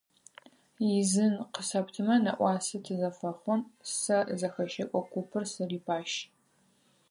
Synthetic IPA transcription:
jɪzɨnqəsɐptʰɨmɐnɐ̰ʔʷɑːsɐtʰɨzɐfɐχʷɔnsɐzɐxɐʃɐkʷʼɔkʷʰupʰɨrsɨriːpʰaːʃ

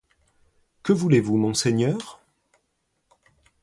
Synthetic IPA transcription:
kəvulevumɔ̃seɲœːʁ

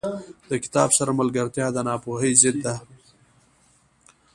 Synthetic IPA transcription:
d̪̥əkɪ̥t̪ɑːbsaɾamalɡaɾt̪jɑːd̪ənɑːpoːɦəjzɪd̪ːa

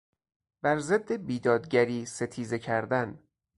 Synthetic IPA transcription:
bæɾzed̪ːe̞biːd̪ɒːd̪ɟæɾiːse̞t̪ʰiːze̞cʰæɾd̪æn

